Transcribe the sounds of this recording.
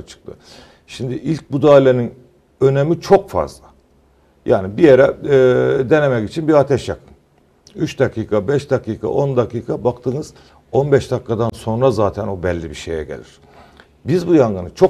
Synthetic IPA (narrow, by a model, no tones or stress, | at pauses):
t͡ʃʰɯ̥k̚t̪ʰɯ̰ | ʃimd̪iʔilʲc̚bud̪aːlʲːenin | ø̞nemit͡ʃʰo̞kfa̰zlˠa | ja̰ːnibijeɾɛ | d̪e̞nemɛcit͡ʃʰinbiɾat̪ʰɛʃjakʰɯm | yt͡ʃd̪akʰiːkʰabɛʃd̪akʰiːkʰa̰ʔo̞nd̪akiːkʰabakt̪ʰɯnɯz̥ | o̞nbɛʃd̪akːad̪anso̞nɾazaːt̪ʰæno̞bɛlʲːibiʃejɛ̰ɟelʲiɾ̥ | bizbujaŋɡɯnɯt͡ʃʰo